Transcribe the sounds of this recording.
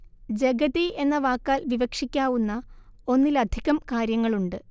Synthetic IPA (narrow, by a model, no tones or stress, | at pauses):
d͡ʑe̞ɡɐðie̞nːɐʋaːkːaːlʋiʋɐkʂikʲːaːʋunːɐo̞nːilɐd̪ʱiɣɐmkaːɾjɐŋːɐɭuɳɖɨ